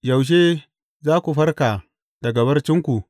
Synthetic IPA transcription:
ja˨wʃ̬eː˦ | zaː˦kʷu˨ɸɐ˦ɾka˨ | d̥a˨ɡɐ˨bɐ˦rt͡ʃɪ˦ŋkʷu˨ʔ

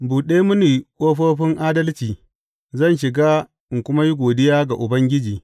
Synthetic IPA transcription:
buː˨ɗeː˦mʊ˦niː˨kʷʼoː˦ɸoː˦ɸɪ˦ŋʔaː˦dɐ˦lt͡ʃiː˨ | zɐ˦˨nʃɪ˨ɡaː˦ | ɪ˨ŋkʷʊ˦ma˦ji˦ɡʷoː˨dɪ˦jaː˦ɡa˨ʔʊ˨bɐ˦ŋɡʲɪ˦d͡ʒiː˨

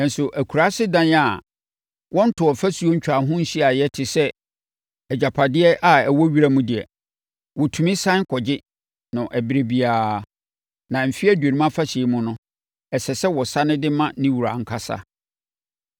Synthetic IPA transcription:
ɛ̃˨n˨sʊ˨ʔæ˨kʰu˨ɾa˦sɪ˦dã˦na˨ | wɔ̃˦n̩˦tʰʊ˨ɔ˨fa˦su˨o˦ɲ̩˦t͡ɕᶣa˨˦ɦʊ̃˦n̩˦ɕi˦a˨jɛ˦tʰɪ˨sɛ˦ | ɛ˨d͡ʑa˨pʰa˨dɪ˦ɛ˦ʔa˨ɛ˨wɔ˦ɥi˦ɾa˦mũ˦dɪ˨ɛ̰˨ | wɔ˨tʰu˨mĩ˦sã˦ŋ˦kʰɔ˨d͡ʑɪ˦ | nʊ̃˨ʔæ˨bɪ˨ɾe˨bi˨aː˨ | nã˨m̩˨fi˦æ˦dɥe˨nĩ˦m˦ã˦fa˦ɕɪ˨˦mʊ̃˦nʊ̃˦ | ɛ˨sɛ˨sɛ˦wɔ˨sa˦nɪ̃˦dɪ˦mã˦nɪ̃˦wu˨ɾa̰˨ŋ̩˨kʰa˦sa̰˨

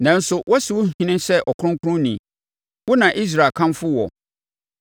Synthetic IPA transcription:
nã˨n̩˦sʊ˨wɔ˦sɪ˨wʊ˦hĩ˦nɪ̃˦sɛ˦ʔɔ˨kʰʊ˦ɾʊ̃˦ŋ˦kʰʊ˦ɾʊ̃˦nĩ˨ | wʊ˦nã˨ʔi˦s̬ɾa˨kʰã˦mfʊ˦wɔ̰˨

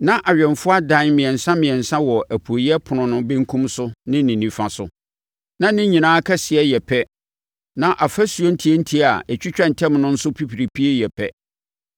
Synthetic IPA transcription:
nã˦ʔa˨ɥᶣɛ˨nfʊ˦a˦dã˦nmɪ̃˨ɛ̃˨nsã˦mɪ̃˨ɛ˨nsã˦wɔ˨ʔæ˨pʰu˨o˨jɛ˦pʰʊ˨nʊ̃˨nʊ̃˦bɛ̃˦ŋkʰũ˦msʊ˦nɪ̃˦nɪ̃˨nĩ˨fã˨sʊ̰˦ | nã˦nɪ̃˦ɲĩ˨nãː˦kʰɛ˦sɪ˨ɛ˦jɛ˨pʰɛ˦ | nã˦ʔa˨fæ˦su˨o˦n̩˦tʰi˨˦e˦n̩˦tʰi˦a˨ɛ˨t͡ɕᶣi˦t͡ɕᶣã˦n˨tʰɛ̃˦mnʊ̃˦n̩˦sʊ˦pʰi˦pʰi˨ɾi˨pʰi˦e˦jɛ˨pʰɛ˦

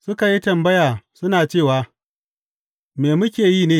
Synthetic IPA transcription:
sʊ˦ka˨ji˦tɐ˨mbɐ˦jaː˨sʊ˦naː˨t͡ʃeː˦˨waː˨ | meː˨mʊ˦kʲeː˨jiː˦˨neː˦

